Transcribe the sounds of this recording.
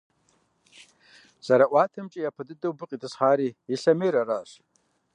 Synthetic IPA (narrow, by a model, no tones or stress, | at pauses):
z̥aɾaʔwatʰɨmt͡ʃʼijapʰadɨdɨwbɨqʼitʰʼɨsχaɾiiɬamejɾaraʃʷ